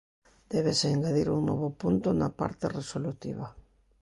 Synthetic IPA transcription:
d̪̥ɛβeseːŋɡaðiɾuŋnɔ̰βopunt̪ʊnapa̰ɾt̪eresolut̪iβa

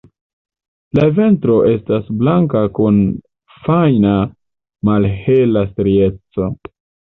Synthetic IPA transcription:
lave̞ntɾo̞ʔe̞stasblaŋkakun | fajna | malhe̞lastɾie̞t͡so̞

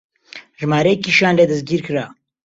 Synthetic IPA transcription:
ʒmaːɾɐjekiʃaːnled̪ɐzɡiːɾkʰɨɾaː

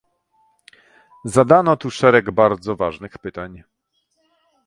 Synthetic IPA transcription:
zad̪anɔt̪uʂɛɾɛɡbaɾd̪zɔvaʐnɘxpɘt̪aɲ

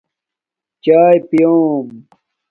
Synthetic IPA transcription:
t͡ɕaːjpijoːm

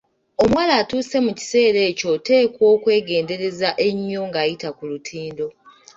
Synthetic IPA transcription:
o̞mwaːlaːtuːse̞muci̥se̞ːɾe̞ːco̞te̞ːkwo̞ːkwe̞ːɡe̞ːnde̞ɾe̞zaʔe̞ɲːo̞ŋɡaːjitakulutʰiːndo̞

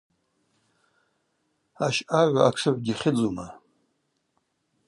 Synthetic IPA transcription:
aʃaʕʷaakʰʂɨʕʷɡʲiχʲɪd͡zuma

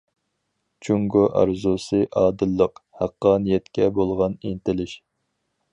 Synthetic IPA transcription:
t͡ʃʰuŋɡoʔɑ̰ɾzusɨʔɑːd̪ɨlˠːəqhæqːɑnjɛt̪kʲɛbolˠʁɑnint̪ɪlɪʃ

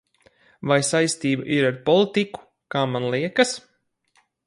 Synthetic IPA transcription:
vajsajst̪iːba̰ʔiɾaɾpɔlˠit̪iku̥ | kaːmanlˠiɛkɐs

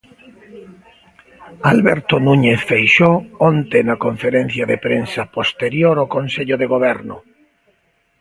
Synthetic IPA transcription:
alβɛɾt̪onuɲeθfejʃoɔnt̪enakoɱfeɾen̟θjaðepɾensapost̪eɾjoɾokonseʎʊðeɣoβ̞ɛɾnʊ

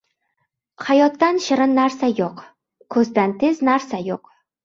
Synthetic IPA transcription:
hajɒt̪ːanʃɪɾɪnːaɾsajoq | kʰɵzd̪ant̪ʰeznaɾsajoq

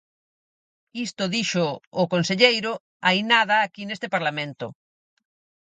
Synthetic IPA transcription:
ist̪ʊðiʃʊːkonseʎejɾʊ | ajnaðaːkinest̪ɪpaɾlamẽnt̪ʊ

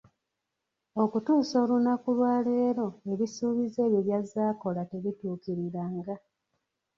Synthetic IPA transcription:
o̞kutuːso̞ːlunakulwaːle̞ːɾo̞e̞βisuːβize̞ːβjeβjazaːko̞late̞βituːkiɾiɾaːŋɡa

